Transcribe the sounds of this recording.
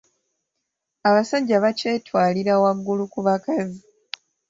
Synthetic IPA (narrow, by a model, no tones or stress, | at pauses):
aβasaɟaβace̞ːtwaːliɾawaɡːulukuβakazi